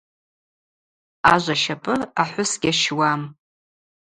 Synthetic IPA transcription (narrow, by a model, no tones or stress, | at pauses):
aʒʷaʃapʼɨaħʷʊsɡʲaʃwam